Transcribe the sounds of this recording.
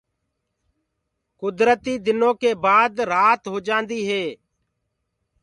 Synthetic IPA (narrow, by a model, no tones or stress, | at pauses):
kʊd̪ɾət̪iːd̪ɪnõːkeːbaːd̪ɾaːt̪ɦoːd͡ʒãːnd̪iːɦeː